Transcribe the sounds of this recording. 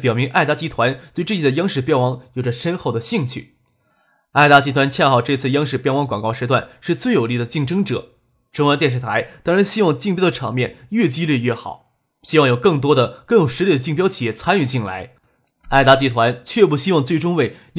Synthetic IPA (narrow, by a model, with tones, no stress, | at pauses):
pjɑ˨˩ʊmi˧˥ŋʔa˥˩ɪt̪a˥t͡ɕi˥t̪ʰwa˧˥nt̪we˥˧ɪʈ͡ʂ̩˥˩t͡ɕi˨˩ə˩jɑ˥ŋʂɻ̩˥˩pjɛ˥˩nwɑ˧˥˩ŋjo˨˩ʈ͡ʂə˦ʂə˥nxo˥˩ʊd̪ə˩ɕi˥˧ŋt͡ɕʰy̰˥˩ | a˥˩ɪt̪a˥t͡ɕi˥t̪ʰwa˧˥nt͡ɕʰjɛ˥˧nxɑ˥˩ʊʈ͡ʂɤ˥˧t͡sʰɹ̩˥˩jɑ˥ŋʂɻ̩˥˩pjɛ˥˩nwɑ˧˥ŋkwɑ˨˩ŋkɑ˥˧ʊʂɻ̩˧˥t̪wa˥˩nʂɻ̩˥˧t͡swe˥˩ɪjo˨˩ʊli˥˩d̪ə˩t͡ɕi˥˩ŋʈ͡ʂɤ˥ŋʈ͡ʂɤ̰˨˩˦ | ʈ͡ʂʊ˥ŋwt̪jɛ˥˧nʂɻ̩˥˩t̪ʰa˧˥ɪt̪a˥ŋɻa˧˥nɕi˥wɑ˥˧ŋt͡ɕi˥˩ŋpjɑ˥d̪ə˩ʈ͡ʂʰɑ˧˥ŋmjɛ˥˧nɥɛ˥˩t͡ɕi˥li˥˧ɥɛ˥˩xɑ̰˨˩˦ʊ | ɕi˥wɑ˥˩ŋjo˨˩ʊkɤ˥˩ŋt̪̬wɔ˥d̪ə˨kɤ˥˩ŋjo˨˩ʊʂɻ̩˧˥i˥˩d̪ə˩t͡ɕi˥˩ŋpjɑ˥ʊt͡ɕʰi˨˩jɛ˥˩t͡sʰa˥ny˥˨˩t͡ɕi˥˩nla̰˧˥ɪ | a˥˩ɪt̪a˥t͡ɕi˥t̪ʰwa˧˥nt͡ɕʰɥɛ˥˧pu˥˩ɕi˥wɑ˥˧ŋt͡swe˥˩ɪʈ͡ʂʊ˥ŋwe˥˩ɪ | j